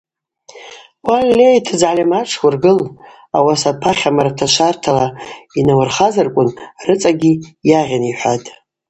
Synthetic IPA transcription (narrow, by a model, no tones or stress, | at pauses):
walːejtʰɨd͡zʕalʲamaʈ͡ʂʰwʷʊrɡɨl | a̰wasapʰaχʲamaɾatʰaʃʷʰartʰalainawʊrχazarkʷʼʊnrɨt͡sʼaɡʲijaʁʲaniħʷatʼ